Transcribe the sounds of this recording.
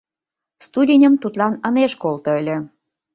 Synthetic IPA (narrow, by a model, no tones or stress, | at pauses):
st̪udʲinʲəmt̪ut̪lɑnəneʃkolt̪ŏəlʲĕ